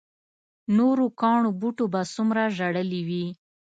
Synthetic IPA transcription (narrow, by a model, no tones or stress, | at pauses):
noɾokɑɳobuʈobasumɾaʒaɽəliwi